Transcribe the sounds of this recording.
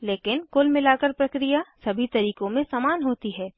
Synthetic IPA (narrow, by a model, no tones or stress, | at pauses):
leːkɪnkʊlmɪlaːkəɾpɾɐkɾijasɐbʱit̪ɐɾiːkõmẽsaːmaːnɦoːt̪iɦɛː